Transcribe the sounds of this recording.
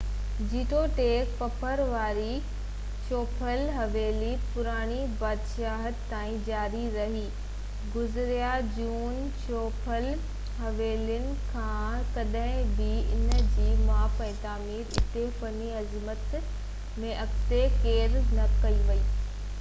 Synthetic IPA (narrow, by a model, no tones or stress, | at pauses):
d͡ʑiːʈoʈeːk̚pɐpʰəɾʋaːɾi | t͡ɕoːpʰəlɦɐʋeːlipʊɾaːɽ̃ibaːd̪ʃaːɦət̪t̪ːaːĩd͡ʑaːɾiɾɐɦiː | ɡʊzɪɾjad͡ʑuːn | t͡ɕoːpʰəl | ɦɐʋeːljʊnɪ̆kʰãːkɐɗɦɪ̃bɪɪnd͡ʑiːmaːpɛ̃ːt̪aːmiːɾɪt̪efɐniɐzmət̪ | mẽʔɐkt̪ekeːɾnɐkɐiʋɐiː